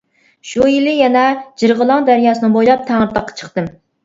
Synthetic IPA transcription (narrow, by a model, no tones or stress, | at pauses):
ʃujilɪjɛnɛd͡ʒiɾʁəlˠɑŋd̪æɾjɑːsɨnɨbojlˠɑp̚t̪ʰæŋəɾt̪ɑqʰːɑ̥t͡ʃʰə̥χt̪ɨm